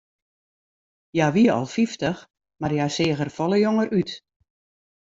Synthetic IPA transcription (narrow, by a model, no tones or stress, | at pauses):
jaʋiəɔ̰lˠfiftəx | marjasɪːɣərfɔlˠəjoŋərʔyt